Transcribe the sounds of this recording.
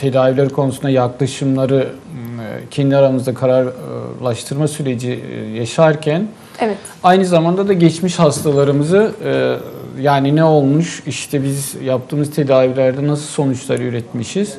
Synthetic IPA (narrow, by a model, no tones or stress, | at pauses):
t̪ʰe̞d̪aːvilʲæɾikʰo̞nusund̪ajaklˠaʃɯmlˠaɾɯ | cʰɛnd̪iaɾamɯzd̪akʰaɾaɾlˠaʃt̪ʰɯɾmasyɾe̞d͡ʒijaʃaɾcʰæn | ɛvɛ | ajnɯzamand̪ad̪aɟɛt͡ʃmiʃhast̪ʰalˠaɾɯmɯzɯ | jaːninɛo̞lˠmuʃiʃt̪ʰɛbizjap̚t̪ʰɯːmɯzt̪ʰe̞d̪aːvilʲæɾd̪ɛnasɯlˠso̞nut͡ʃlˠaɾɯyɾɛt̪miʃiz̥